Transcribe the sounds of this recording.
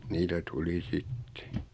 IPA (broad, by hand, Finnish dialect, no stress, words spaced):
niːtæ tuli sitːe̥